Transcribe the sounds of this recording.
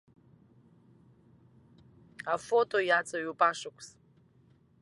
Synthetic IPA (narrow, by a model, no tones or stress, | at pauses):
afotojat͡sʼəjupʼaʂukʷʰʼs